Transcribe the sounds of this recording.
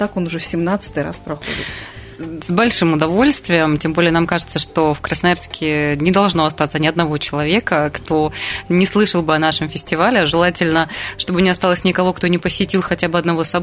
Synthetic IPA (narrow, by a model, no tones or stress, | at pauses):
t̪akonʊʐɛfsʲɪmnat̪sɨ̥t̪ɨɾa̰spɾɐxo̰dʲɪ̰t̪ | zbɐlʲʂɨmʊd̪ɐvo̞lʲst̪vʲɪjəmtʲembolʲɪjənamkaʐɨt̪səʂt̪o̞fkɾəsnɐjarskʲɪnʲɪd̪ɐlˠʐno̞ɐst̪at̪sənʲɪɐd̪nɐvo̞t͡ɕɪlˠɐvʲe̞kəkt̪o̞nʲɪslˠɨʂəlˠbɨɐnaʂɨmfʲɪsʲtʲɪvalʲɪʐɨlˠatʲɪlʲnəʂt̪o̞bɨnʲɪɐst̪alˠəsʲnʲɪkɐvo̞kt̪onʲɪpəsʲːɪtʲilˠxɐtʲabɨɐd̪nɐvo̞sɐ